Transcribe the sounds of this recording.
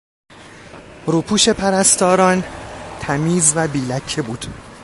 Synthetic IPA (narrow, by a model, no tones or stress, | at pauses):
ɾuːpʰuːʃe̞pʰæɾæst̪ɒːɾɒːnt̪ʰæmiːzvæbiːlæcʰːe̞buːd̪̥